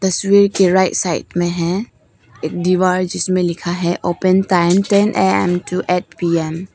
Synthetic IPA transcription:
t̪ɐswiɾkeɾaɪʈsaɪ̰ʈmẽɦɛ̃ | eːk̚ɖiʋaːɾd͡ʒɪsmẽlɪkʰaɦɛʔoːpɛ̃nʈaɪmʈɛnʔeɛ̰̃mʈuʔɛʈ̚piɛm

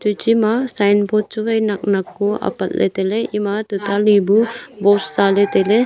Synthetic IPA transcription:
t͡ʃut͡ʃimasajnpot͡ʃuʋɐjnɐk̚nɐkːuɐ̰pɐt̪lʔḛt̪eleʔimat̪ut̪alibubossaːlet̪ele

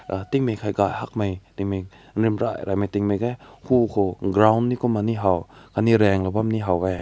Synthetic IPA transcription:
at̪iŋmekʰajɡajhak̚majtiŋme | nɾimɾa̰jɾa̰jmajt̪iŋmajkajhʰukʰoɡɾawnːikumaniɦawkʰaniɾɛŋlabamniɦawɛ

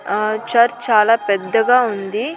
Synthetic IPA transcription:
t͡ʃɐɾt͡ʃaːlaːpɛd̪ːɐɡaːund̪i

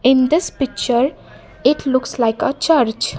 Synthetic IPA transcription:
ɪ̃nd̪ɪspɪk̚t͡ʃəɾ | ɪʈʰlʊkslaɪkət͡ʃʌɾd͡ʒ

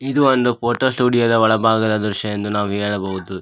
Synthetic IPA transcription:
id̪uond̪upoːʈoːsʈuːɖijɐd̪ɐʋɐɭɐbʱaːɡɐd̪ɐd̪ɾuʃɐjend̪unaːʋuɦeːɭɐbɐɦud̪u

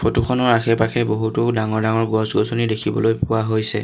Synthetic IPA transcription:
pʰotuxʰɔnɔɹakʰɛpakʰɛboɦutʊdaŋɔɹdaŋɔɹɡɔsɡɔsɔnidekʰibɔ̰lojpʊwaɦojsɛ̰

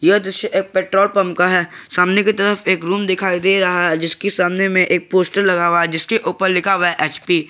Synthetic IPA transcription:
jɐɦd̪ɪʃəʔeːk̚peːʈɾoːlpɐ̃mp̚kaɦɛːsaːmneket̪ɐɾəfeːkɾuːmd̪ɪkʰaːid̪eɾɐɦaɦɛd͡ʒɪskesaːmnemẽʔeːk̚poːsʈəɾlɐɡaːʋaɦɛd͡ʒɪskeʔuːpəɾlɪkʰaʋɛɛʔɛːt͡ʃpiː

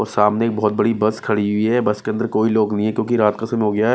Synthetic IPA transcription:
ɔːɾsaːmnekbɔːt̪̚bɐɽibɐskʰɐɽiɦɦʊiɦɛbɐskeɐnd̪əɾkoːiloːɡnɐɦĩɦɛ̃kjõːkiɾaːt̪kasəmɦoːɡɐjaɦɛ

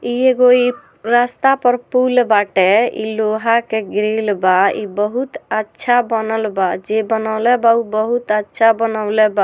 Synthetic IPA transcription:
ieɡoi | ɾast̪apəɾpulbaʈɛḭloɦakeɡɾelbaḭbəɦut̪ətːʃʰabənəlbad͡ʒebənəʊlɛbaubəɦut̪ətːʃʰabənəʊlɛba

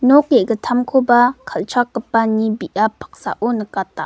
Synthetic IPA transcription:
nɔkɛɡətʰamkʰobakʰalt͡ʃʰakːəpanibiʔapʰḁk̚sa̰ʔonəkata

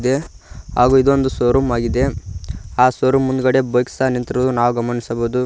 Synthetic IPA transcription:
d̪e̞ | ɦaːɡuːid̪ond̪usoːɾumaːɡid̪e̞ | aːsoːɾumːund̪uɡɐɽe̞bojksanint̪ɾɐunaːʋuɡɐmɐnisɐboːud̪u

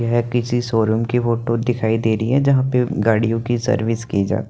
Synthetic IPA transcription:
ɦɛkɪsisoːɾuːmkifoːʈod̪ɪkʰaːid̪eːɾəiɦɛd͡ʒɐɦãpeɡaːɽijõkisɐ̰ɾʋɪskid͡ʒa̰ːt̪i

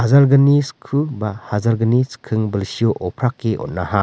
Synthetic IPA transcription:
hazaɾɡɐniskʰubahazaɾɡɐniskʰɯŋbɐlsiɔʔɔpʰɾakːeʔɔ̰t̚naha

